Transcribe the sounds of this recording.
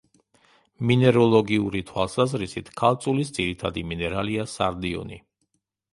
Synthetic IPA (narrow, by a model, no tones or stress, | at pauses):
minɛɾɔlˠɔɡiuɾit̪ʰwalˠsazɾisit̪ʰkʰalˠt̪sʼulisd̪ziɾit̪ʰad̪iminɛɾaliasaɾd̪iɔ̰ni